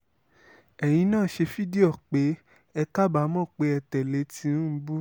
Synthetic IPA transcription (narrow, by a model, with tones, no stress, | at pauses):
ɛ˨j̃ĩ˨˦nãː˦˨˦ʃe˧fi˦di˦ɔ˦˨k͡pe˨˦ | ɛ˧ka˦ba˨˦mɔ̃˦˨k͡pe˧˦ɛ˧tɛ˨le˨˦tĩ˧˦ũ˦bu˦